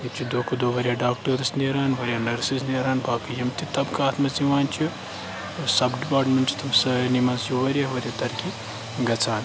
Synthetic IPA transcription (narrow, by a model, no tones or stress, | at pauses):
jit͡ʃʰid̪oːkɐd̪oːʋɐɾʲjaːɖaːk̚ʈɐɾɐsniɾaːnʋɐɾʲjaːnɐɾsisneɾaːnbʱaːkɐjɐmt̪it̪ɐbkɐaːt̪mɐziʋaːnt͡ʃʰi | sɐbɖipaːɾʈmenʈt͡ʃʰi̥t̪ʰɐmsɐːnimaːnsjuʋɐɾʲjɐɦʋɐɾʲjɐt̪ɐɾkʰi | ɡɐt͡sʰaːn